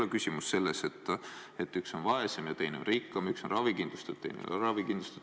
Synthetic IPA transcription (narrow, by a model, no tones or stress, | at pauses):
ekysʲimusːe̞lːeset̪ːˑ | et̪ːˑykso̞nvɑesemjɑt̪e̞jnomrikːɑmykso̞nrʔɑvikind̥̪lust̪ut̪ːejnḛrɑvikind̪lust̪u̥